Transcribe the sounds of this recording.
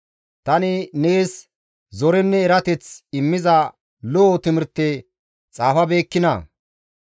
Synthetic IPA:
t̪ɐnɪne̞ːs | zɔɾɛnːɛːɾɐt̪ɛt͡sɪmːɪzɐ | lɔʔːt̪ɪmɪɾt̪ːe | t͡sʼaːfɐbe̞ːkːɪnɐ̰

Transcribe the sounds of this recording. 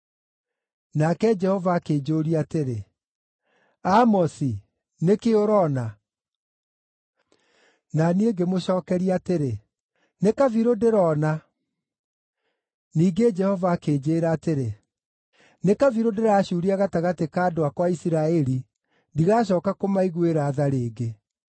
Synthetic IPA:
nakɛd͡ʒɛhɔvaːkeːd͡ʒoɾiateɾe | amɔsi | nekeoɾɔna | nanieɡemoɕɔːkɛɾiateɾe | nekaviɾodeɾɔna | niːɡed͡ʒɛhɔvaːkeːd͡ʑeːɾaːteɾe | nekaviɾodeɾaːɕuɾiaɣataɣatekaːdoakwaisiɾaɛɾi | ndiɣaɕ̬ɔːkakomaiɣweɾaːðaɾeːɡe

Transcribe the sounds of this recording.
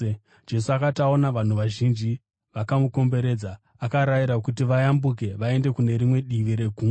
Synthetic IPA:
d͡ʒe̞suakatao̞naʋan̤uʋaʒind͡ʒi | ʋakamuko̞mbe̞ɾe̞ːd͡za | akaɾaiɾakutiʋajambuk̬e̞ʋae̞nde̞kune̞ɾimwe̞ɗiʋiɾe̞ɡʱuː

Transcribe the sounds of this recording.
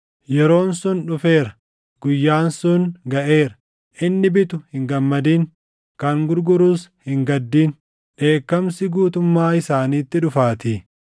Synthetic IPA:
jɛɾo̞ːnsʊnᶑʊfe̞ːɾɐ | ɡ̥ʊjːaːnsʊnɡɐʔe̞ːɾɐ̥ | ʔɪnːɪbɪt̪ʊhɪŋɡɐmːɐd̪iːŋ | kɐŋɡʊɾɡʊɾuːshɪŋɡɐd̪ːiːn | ᶑe̞ːkːɐmsɪɡuːt̪ʊmːaːɪsaːniːt̪ːɪᶑʊfaːt̪i

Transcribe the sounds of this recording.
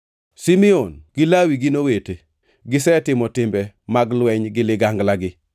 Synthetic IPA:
simionɡ̥ɪlawiɡɪnowete | ɡɪsɛtɪmɔtɪmbɛmaɡlwɛɲɡɪlɪɡaŋɡlaɡɪ

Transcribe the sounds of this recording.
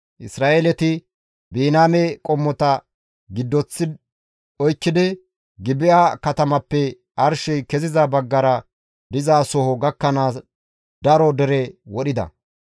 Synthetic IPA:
ʔɪsɾaːʔeːlɛt̪ɪ | biːnaːmɛkʼɔmːɔt̪ɐ | ɡɪd̪ːɔt͡sːɪ | ɔjkːɪd̪ɪ | ɡɪbɪakɐt̪ɐmɐpːɛ | ʔɐɾʃɛjkɛzɪzɐbɐɡːɐɾɐ | d̪ɪzaːsɔhɔɡɐkːɐnaːs | d̪̥ɐɾɔd̪ɛɾɛwɔɗɪd̪ɐ̰

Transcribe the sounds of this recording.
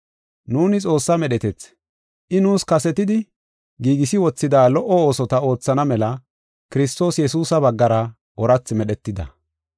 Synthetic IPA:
nuːnɪt͡sʼo̞ːsːɐmɛɗɛt̪ɛt͡s | ʔɪnuːskɐsɛt̪ɪd̪ɪ | ɡiːɡɪsɪwɔt͡sːɪd̪aːlɔʔɔo̞ːsɔt̪ɐo̞ːt͡sːɐnɐmɛlɐ | kɪɾɪst̪o̞ːsjɛsuːsɐβɐɡːɐɾɐ | ʔɔɾɐt͡sːmɛɗɛt̪ːɪd̪ɐ̰

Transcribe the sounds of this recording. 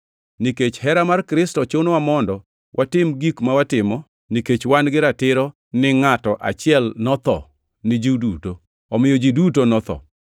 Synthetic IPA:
niket͡ʃhɛɾamarkɾɪstɔt͡ʃonwamɔndɔ | wʔatɪmɡikmawatɪmɔ | niket͡ʃwanɡɪɾatɪɾɔ | nɪŋatɔʔa̰t͡ʃɪɛlnɔt̪ɔ̰ | nɪd͡ʒiduto | ɔmɪjod͡ʒidutonɔt̪ɔ̰

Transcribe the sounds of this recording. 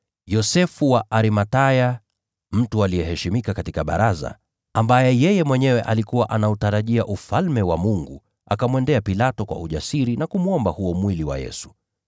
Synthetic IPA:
jɔsɛfuwaʔaɾimataja | m̩tualijɛɦɛʃimikakatikaɓa̰ɾaza̰ | ambajɛjɛjɛmwɛɲɛwɛʔalikuwaʔanautaɾaʄiaʔufalmɛwamuŋɡu | a̰kamwɛndɛapilatɔkwa̰uʄasiɾinakumuɔmbahuɔmwiliwa̰jɛ̰su̥

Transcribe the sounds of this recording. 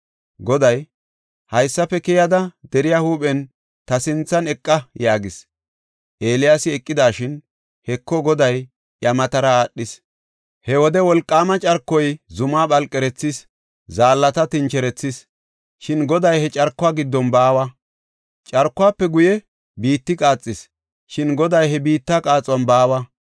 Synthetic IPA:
ɡɔd̪ɐj | hɐjsːɐpːɛkɪjɐd̪ɐd̪ɛɾɪjahuːpʼɛn | t̪ɐsɪnt͡sːɐnɛkʼːɐjaːɡɪs | ʔe̞ːlɪjasɪɛkʼːɪd̪aːʃɪn | hɛkːɔɡɔd̪ɐj | ʔjɐmɐt̪ɐɾɐaːɗːɪs | hɛwɔd̪ɛwɔlkʼːaːmɐt͡ʃʼɐɾkːɔjzʊmaːɓɐlkʼːɛɾɛt͡sːɪs | zaːlːɐt̪ɐt̪ɪnt͡ʃɛɾɛt͡sːɪs | ʃɪnɡɔd̪ɐjɛt͡ʃʼɐɾkːʊaːɡɪd̪ːɔnbaːwɐ | t͡ʃʼɐɾkːʊaːpːɛɡʊjɛ | biːt̪ːɪkʼaːt͡sʼːɪs | ʃɪnɡɔd̪ɐjhɛbiːt̪ːakʼaːt͡sʼwɐnbaːwɐ

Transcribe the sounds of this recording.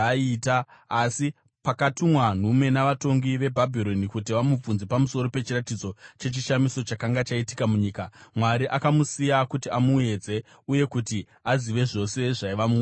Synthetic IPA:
itaasi | pakatumwan̤ume̞naʋato̞ŋɡiʋe̞bʱabʱiɾo̞nikutiʋamub͡vunzepamuso̞ɾo̞pe̞t͡ʃiratid͡zo̞t͡ʃe̞t͡ʃiʃamiso̞t͡ʃakaŋɡat͡ʃaiti̥kamuɲiːkamwaɾiʔakamusijakutiamue̞d͡ze̞ | uje̞kuti | aziʋe̞ʐo̞se̞ʐaiʋamu

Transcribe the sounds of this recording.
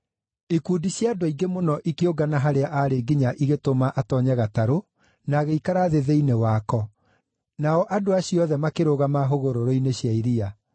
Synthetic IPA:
ikuːdiɕjadwaiɡemonɔʔikeoɡanaɦaɾeaʔaɾeɡiɲaʔiɣetomaʔatɔɲɛɣataɾo | naːɣeikaɾaðeðeinewaːkɔ | naɔʔadoaɕiɔðɛmakeɾoɣamaɦoɣoɾoɾoineɕjaiɾia

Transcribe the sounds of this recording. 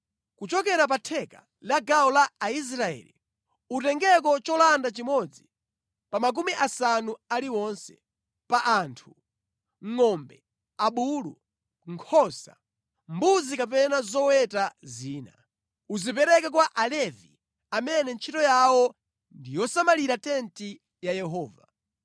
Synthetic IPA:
kut͡ʃɔkɛɾap̬atʰɛka̰ | laɡaɔlaːis̬ɾaɛ̰lḭ | utɛŋɡɛkɔt͡ʃɔlandat͡ʃimɔd͡zi | pamak̬umiʔasanualiwɔnsɛ | paʔaːntʰu̥ | ŋɔmbɛ | aɓuːlu | ŋkʰɔsa̰ | mbuzikapɛnazɔwɛtaziːna̰ | uzipɛɾɛkak̬waʔalɛvḭ | amɛnɛnt͡ʃʰitɔjawɔ | ndijɔsamaliɾatɛnti | jajɛɦɔːva

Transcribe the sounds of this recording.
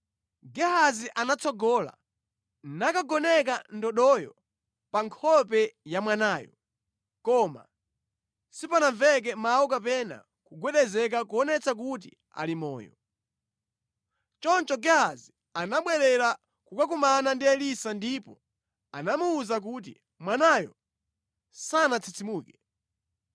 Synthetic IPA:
ɡɛhaziʔanat͡sɔɡɔːla̰ | nakaɡɔnɛk̬andɔɗɔjɔ̰ | paŋkʰɔpɛjamwanaːjɔ | kɔma̰ | sipanaɱvɛk̬ɛmawɔkapɛna̰ | kuɡwɛɗɛzɛk̬akuɔnɛt͡sak̬ut̬i | a̰limɔ̰ːjɔ̰ | t͡ʃɔnt͡ʃɔɡaazi | anaɓwɛɾɛɾa | kukakumanandiɛlisandipɔ | anamuːzak̬ut̬ḭ | mwanajɔ̰ | sanat͡sʰit͡simuːkɛ

